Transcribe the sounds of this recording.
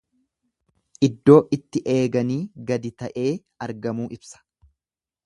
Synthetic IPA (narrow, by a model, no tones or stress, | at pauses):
ʔɪd̪ːo̞ːʔɪt̪ːɪʔe̞ːɡɐniːɡɐd̪ɪt̪ɐʔe̞ː | ɐɾɡɐmuːʔɪbsɐ̥